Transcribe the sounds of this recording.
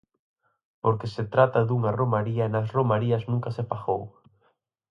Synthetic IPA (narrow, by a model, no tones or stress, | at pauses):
poɾkeset̪ɾat̪ɐðuŋaromaɾiɐnɐsromaɾiɐznũŋkɐsepaxow